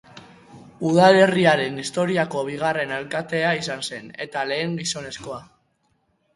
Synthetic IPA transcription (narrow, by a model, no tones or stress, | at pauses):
uð̞ale̞riaɾe̞nist̪o̞ɾiako̞βiɣ̞are̞nalkat̪e̞aisanse̞ne̞t̪ale̞ːŋɡiso̞ne̞sko̞a